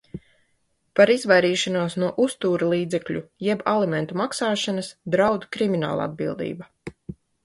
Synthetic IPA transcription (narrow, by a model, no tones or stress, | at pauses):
paɾizvajɾiːʃanuɔsnuɔʔust̪uːɾlˠiːd̪zɛklʲujɛbalˠimɛnt̪umaksaːʃanɐsd̪ɾawd̪kɾimina̰ːl̰ˠa̰d̪̚bilˠd̪ḭːba